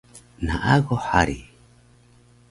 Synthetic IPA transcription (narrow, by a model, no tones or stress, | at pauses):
naʔaɣohaɾi